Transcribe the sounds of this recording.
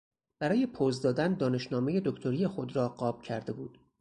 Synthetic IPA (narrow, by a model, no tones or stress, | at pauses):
b̥æɾɒːje̞pʰoːzd̪ɒːd̪ænd̪ɒːne̞ʃnɒːme̞je̞d̪okt̪ʰo̞ɾiːjexo̞d̪ɾɒːɢɒːb̥̚cʰæɾd̪e̞buːd̪̥